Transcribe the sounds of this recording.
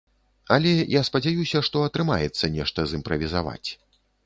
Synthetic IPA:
ɐlʲɛjaspɐd͡zʲajusʲɐʂt̪ɔɐt̪ɾɨma̰jɛt̪sːɐnʲɛʂt̪ɐzɨmpɾɐvʲizava̰t͡sʲ

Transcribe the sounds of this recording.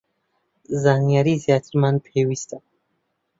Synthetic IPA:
zaːnjaɾizjat̪ʰəɾmanpʰewist̪ʰa

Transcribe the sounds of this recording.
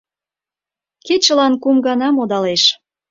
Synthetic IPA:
ket͡ɕə̆lɑnkumɡɑnɑmod̪ɑleʃ

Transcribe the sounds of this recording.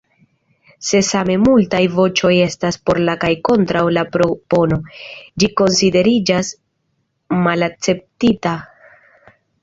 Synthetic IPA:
se̞same̞multajvo̞t͡ʃo̞je̞staspo̞ɾlakajko̞ntɾawlapɾopo̞no̞d͡ʒiko̞nside̞ɾid͡ʒas | malak̚t͡se̞p̚tita

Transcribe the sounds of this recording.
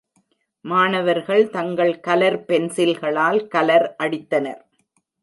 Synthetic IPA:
maːnɐʋɐɾɣɐɭt̪ɐŋɡɐɭkɐlɐɾpɛnsɪlɣɐɭaːlkɐlɐɾʔɐɽɪt̪ːɐnɐ̰ɾ

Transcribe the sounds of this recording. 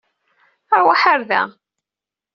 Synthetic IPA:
əɾwaħaɾðæ̰

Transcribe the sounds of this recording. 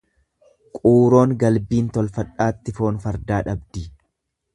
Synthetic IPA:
kʼuːɾo̞ːŋɡɐlbiːnt̪ɔlfɐᶑaːt̪ːɪfo̞ːnfɐɾd̪aːᶑɐbd̪i

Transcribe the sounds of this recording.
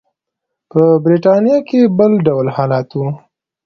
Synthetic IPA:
pəbɾiʈɑnjɑkebəlɖawlhɑlɑt̪wu

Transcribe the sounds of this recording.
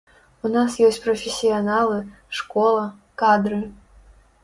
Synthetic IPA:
unasjɔsʲt͡sʲpɾɔfʲɪsʲijanalˠɨ | ʂkɔlˠɐ | kad̪ɾɨ

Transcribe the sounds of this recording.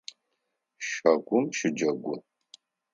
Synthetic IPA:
ʃɐɡʷʊmʃɪd͡ʒɐɡʷʊ

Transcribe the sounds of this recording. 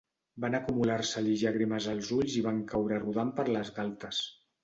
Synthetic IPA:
banəkumulaɾsəʎiʒaɣɾiməzəlˠzuʎziβaŋkawɾəruðampəɾləzɣalˠt̪əs

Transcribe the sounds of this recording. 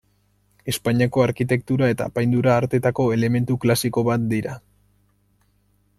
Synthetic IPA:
e̞spaɲiako̞aɾkit̪e̞kt̪uɾae̞t̪a̰ːpajnd̪uɾaːɾt̪e̞t̪ako̞e̞le̞me̞nt̪uklasiko̞βat̪̚d̪iɾa

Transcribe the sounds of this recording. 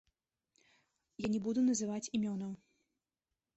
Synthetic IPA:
janʲɛbud̪unɐzɨvat͡sʲimʲɔnɐw

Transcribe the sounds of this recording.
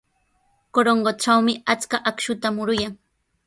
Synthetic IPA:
koɾoɴɢoʈ͡ʂawmɪat͡skaʔakʃʊt̪amʊɾʊjaŋ

